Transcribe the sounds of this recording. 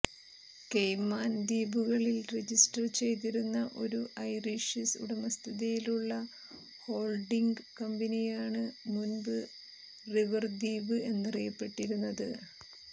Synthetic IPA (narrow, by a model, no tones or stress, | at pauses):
kejmaːnd̪iːbuɣɐɭilred͡ʑisʈɐrt͡ɕe̞jt̪̬iɾunːɐʔo̞ɾuʔɐjriʂisṵɽɐmɐst̪ʰiðijiluɭːɐ | ho̞ːlɖiŋɡkɐmbinijaːɳɨmunbɨ | riʋɐrd̪iːbɨe̞nːɐrijɐpːe̞ʈːiɾunːɐðɨ